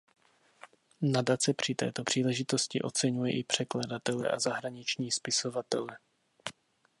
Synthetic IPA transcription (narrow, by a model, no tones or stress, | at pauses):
nadat͡sɛpr̝̥ɪt̪ɛ̰ːt̪o̞pr̝̥iːlɛʒɪt̪o̞scɪʔo̞̰t͡sɛɲujɛʔɪpr̝̥ɛkladat̪ɛlɛ̰ʔa̰zaɦɾaɲɪt͡ʃɲiːspɪso̞vat̪ɛlɛ